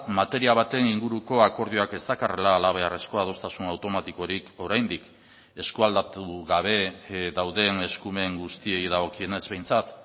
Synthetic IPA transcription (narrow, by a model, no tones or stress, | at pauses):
mat̪e̞ɾiaβ̞at̪e̞niŋɡuɾuko̞ako̞ɾð̞joake̞st̪akare̞laːlaβ̞e̞are̞sko̞að̞o̞st̪asunawt̪o̞mat̪iko̞ɾiko̞ɾajnd̪ik | e̞skuald̪at̪uɣaβ̞e̞ðawðe̞ne̞skume̞ŋɡust̪ie̞jðaɣ̞o̞kie̞ne̞zβe̞jnt͡sat̪